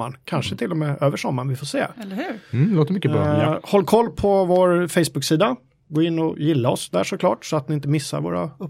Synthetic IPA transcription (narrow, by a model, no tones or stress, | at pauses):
a̰ɳkʰanʂət̪ʰɪlːɔmeːʔøːvəʂɔmːaɳʋɪfoːʂḛːlhʉːloːt̪əmʏkːəbɾ̰hɔlːkʰɔlːpʰɔvoːɾfɛjsbɵksiːd̪a | ɡoːɪnːɔjɪlːaɔsd̪æ̰ːʂɔkʰlɑ̰ːʈsɔat̪̚nɪɪnt̪əmɪsːa̰ɾvo̰ːɾa̰ɵ